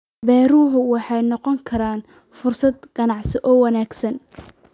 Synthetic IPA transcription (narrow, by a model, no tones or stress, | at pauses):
bɛːɾʊɦʊwɑħɑjnɔqɔŋkʰɐɾaːn | fʊrsɐd̪ɡ̥ɐnɑʕsɪʔɔːwɑnaːɡsɐn